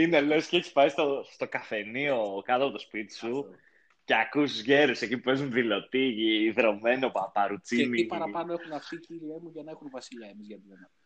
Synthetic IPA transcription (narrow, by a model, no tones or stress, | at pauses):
inelesceeçispɐjst̪ost̪o̞kɐθe̞nio̞kɐt̪ɐpot̪o̞spit̪i̥su | ceɐkust̪uzʝe̞ɾuse̞cipupe̞zunðilo̞t̪iʝiːðɾo̞me̞nopɐpɐɾut͡sieniipɐɾɐpɐnoexunɐfticiɾiemuʝɐnɐexunvɐsiʎɐemizʝɐt̪ilɐnɐ